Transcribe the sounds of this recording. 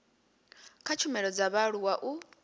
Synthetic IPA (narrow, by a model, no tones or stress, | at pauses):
kʰat͡ʃʰumɛɺɔd͡zaβaɺuwaʔu